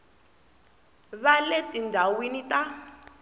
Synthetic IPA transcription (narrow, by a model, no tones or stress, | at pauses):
βaletʼindʱawinita